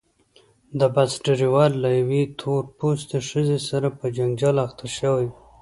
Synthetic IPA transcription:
d̪əbasʈeɾiwɑlːajawet̪ʰoɾpust̪əʂəzesaɾapəd͡ʒaŋd͡ʒalaxt̪ʰaʃəwaj

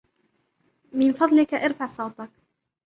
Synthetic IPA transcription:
mɪnfɑd̪ˤlɪkaʔɪɾfaʕsˤɑwt̪ˤɑk

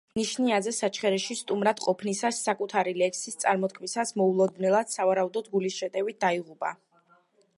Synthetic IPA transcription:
niʃniazɛsat͡ʃʰχɛɾɛʃist̪ʼumɾad̪̥qʼɔpʰnisasːakʼut̪ʰaɾilɛkʰsist̪sʼaɾmɔt̪̚kʰmisasmɔulˠɔd̪nɛlˠad̪̥savaɾaud̪ɔd̪ɡulisʃɛt̪ʼɛvit̪̚d̪aiʁupʼa̰

